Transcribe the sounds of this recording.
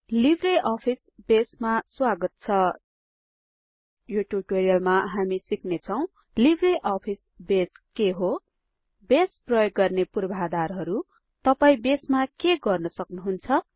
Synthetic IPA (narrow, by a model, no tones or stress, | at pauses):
libʱreʔʌpʰisbesmaswaɡʌt̪̚t͡sʰʌ | joʈjub̚ʈoɾijʌlmaɦamisiknet͡sʰʌw̃ | libʱreʔʌpʰis | beskeɦo | besprʌjoɡːʌrnepurbʱɦad̪arɦʌɾu | t̪ʌpaĩbesmakeɡʌrnʌsʌknuɦunt͡sʰʌ